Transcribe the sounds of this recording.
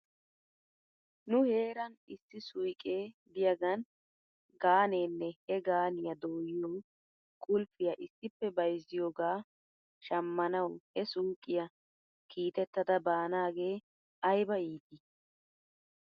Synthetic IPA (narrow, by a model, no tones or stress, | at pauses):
nʊhe̞ːɾɐnɪsːɪsʊjkʼe̞ːbɪjɐɡɐn | ɡaːne̞ːnːɛhɛɡaːnɪjɐd̪oːjɪjoː | kʼʊlfɪjɐʔɪsːɪpːɛbɐjzːɪjoːɡaː | ʃɐmːɐnɐwhɛsuːkʼːɪjɐ | kʰiːt̪ɛt̪ːɐd̪ɐbaːnaːɡe̞ː | ɐjbɐjiːt̪ɪ